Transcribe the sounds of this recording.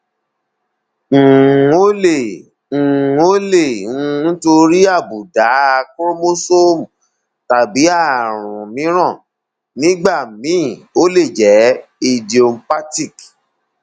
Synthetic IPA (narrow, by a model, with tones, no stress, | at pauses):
o˦lẽ˦˨˦ | o˦lẽ˦˨˦n̩˦to˧ɾi˦a˦˨bu˨da˨˦a˧ko˦ɾmo˦so˦m˨ | ta˨bi˨˦a˦˨ɾ̃ũ˨mĩ˨˦ɾ̃ã˦˨ | nĩ˦ɡ͡ba˦˨mĩ˨˦˨o˦le˦˨d͡ʒɛ˨˦i˧di˨o˧mpa˦ti˦˨k